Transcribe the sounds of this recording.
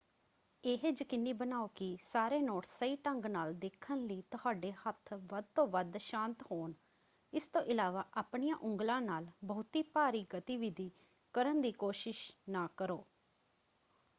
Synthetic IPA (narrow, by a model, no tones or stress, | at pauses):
eɦed͡ʒkɪnːiːbənaːoːkɪsaːɾeːnoːʈsəiːʈəŋɡnaːld̪ekʰːənləiːt̪ʊɦaːɖeːhət̪ʰʋəd̪̚t̪õːʋəd̪ʃãːnt̪ɦoːn | ɪst̪õːʔɪlaːʋaːʔaːpɳijãːʔʊŋɡlãːnaːlbəːʊt̪iːpaːɾiːɡət̪iːʋɪd̪iː | kəɾənd̪iːkoːʃɪʃnaːkəɾoː